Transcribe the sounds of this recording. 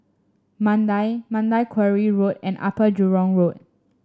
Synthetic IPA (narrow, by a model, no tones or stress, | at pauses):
mãndajmãndajkʰwɛɹiɹotɛ̰̃nʔa̰pəd͡ʒuɹɔ̃ŋɹot̚